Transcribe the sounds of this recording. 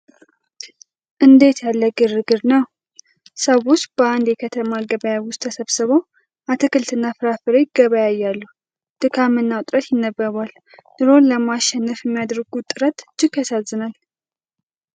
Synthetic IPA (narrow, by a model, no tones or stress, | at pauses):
ʔɨnd̪e̞t̪jalːəɡɨɾɨɡɨɾnəw | səwʊst̪bəand̪jɛkʰət̪ʰəmaɡəβəjawʊst̪ʰːəsəβsɨβəw | ʔat̪ʰɨkɨlt̪ʰɨnːafɨɾafɨɾejɪɡəβajajːalːuh | d̪̥ɨkʰamɨnːawt̪ʼɾət̪jɪnːəbːəɾal | d̪ɨɾo̞nləmaʃɛnːəfjɛmːijad̪ɾɡut̪ʼɨɾət̪d͡ʒɪkasazːɨnal